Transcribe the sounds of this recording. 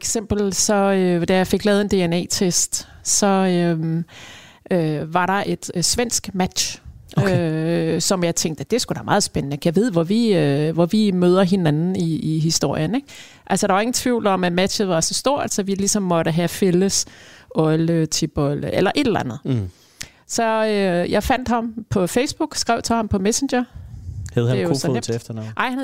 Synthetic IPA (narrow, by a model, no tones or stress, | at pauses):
eɡ̥sem̰b̥l̩sɒ̽ød̥æjɑ̈ɪfe̝ɡ̥lɛːðˠe̝nd̥e̝enɛ̰ːt͡sʰesd̥sɒ̽ø | øʋɑ̈ɾɑ̈ʔe̝d̥sʋen̰sɡ̥mæd̥ɕʔøsɒ̽mjɑ̈ɪt͡sʰeŋɡ̥̚d̥əd̥e̝sɡ̥ud̥æɐmɑ̈ːð̩ˠsb̥enənəkʰæʋe̝ð̰ˠʋɒʋiøʋɒʋimøð̞ˠɐɦe̝nænn̩iːɦisd̥o̝ɐ̰jəneɡ̥ | ʔælsɒdɑʋɑ̈e̝ŋn̩t͡sʰʋiʊ̰lɒ̽mæmæd̥ɕð̩ˠʋɑ̈sɒ̽sd̥o̝ɐ̰̥æ̥sɒ̽ʋilisɒ̽mːɒ̽ɾəɦæfeləsʔɒlət͡sʰib̥ɔləelɐʔe̝d̥læ̰nð̩ˠ | sɒ̽øjɑ̈ɪfæn̰d̥hɑ̈mpʰɒ̽feɪsb̥uɡ̥sɡ̥ʁɛʊt͡sʰehɑ̈mpʰɒ̽mesenɕɐhæð̩ˠhejosemfd̥ɐnɑʔɑ̈ɪhæ